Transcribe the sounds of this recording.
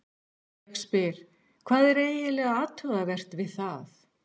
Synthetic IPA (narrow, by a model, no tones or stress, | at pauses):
kspɪɾ̥ | kʰvaːðɛɾeːjɪlɛɣaaːt̪œðavɛr̥t̪vɪðθaθ